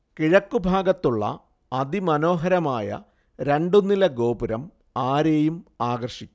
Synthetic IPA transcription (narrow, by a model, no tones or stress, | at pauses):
kiɻɐkːubʱaːɡɐt̪ːuɭːɐ̰ | ɐd̪imɐno̞ːɦɐɾɐmaːjɐ̰ | ɾe̞ɳɖunːilɐɡo̞ːbuɾɐm | aːɾeːjumaːɡɐrʂikʲːu